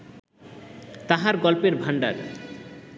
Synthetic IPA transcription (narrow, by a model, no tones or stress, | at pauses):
t̪aɦaɾɡɔlpeɾbʱaɳɖa̰ɾ